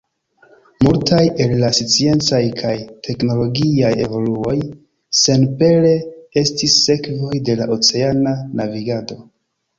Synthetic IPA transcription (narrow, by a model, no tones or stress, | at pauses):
multʰaje̞lːasit͡sie̞nt͡sajkʰajtʰe̞kno̞lo̞ɡiaje̞vo̞luo̞j | se̞npe̞le̞e̞stisːe̞kvo̞jde̞laʔo̞t͡se̞ananaviɡado̞